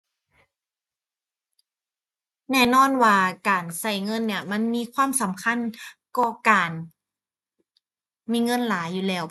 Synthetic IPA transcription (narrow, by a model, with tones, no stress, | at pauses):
nɛː˧˩nɔː˧˥˨nwaː˧kaː˨˩nsa˧˩jŋɤ˧˥˨nːi˧˥˩ɐma˧˥˨nmiː˧˥˨kʰwaː˧˥˨msa˩˦mkʰa˧˥˨nkɔː˧˩kaː˨˩n | miː˧˥˨ŋɤ˧˥˨nlaː˨˦juː˨˩lɛː˧˩w